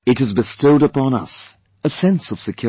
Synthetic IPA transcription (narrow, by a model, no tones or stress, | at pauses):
ɨɾɨzbɨstoʊɾəpʰɑ̃nʌ̰s | ɨsɛ̃nsʌv̥sɨkʰj̥ʊ